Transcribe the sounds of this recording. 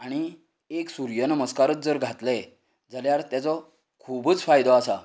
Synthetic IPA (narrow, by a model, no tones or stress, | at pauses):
aɽ̃i | eksuɾjənəməskaɾət̪̚d͡zəɾɡʱat̪lɛ | d͡zaljaɾt̪jat͡sɔ | kʰubət͡sfajd̪ʱɔasa